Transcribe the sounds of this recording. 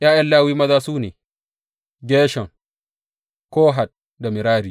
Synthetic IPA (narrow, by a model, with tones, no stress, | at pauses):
jaː˦jɐ˦nlaː˦wiː˦mɐ˦zaː˦suː˦neː˨ | ɡʲeː˦ʃɐ˨ŋ | koː˦ɦa˨t̚ | da˨mɪ˨ɾaː˦ɾiː˦